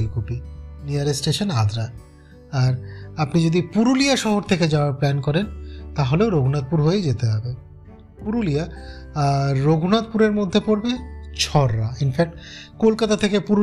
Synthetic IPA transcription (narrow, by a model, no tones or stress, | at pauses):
lkopiniaɾesʈeʃonad̪ɾa | aɾapnid͡ʑod̪ipuɾulijaʃɔɦoɾt̪ʰeked͡ʑaoaɾplɛnkɔɾent̪aɦoleoɾoɡʱnat̪̚puɾɦojed͡ʑet̪eɦɔbe | puɾulija | oɡʱunat̪̚puɾeɾmod̪ʱːepoɾbet͡ɕʰɔɾːainfɛk̚ʈ | kolkat̪at̪ʰekepuɾ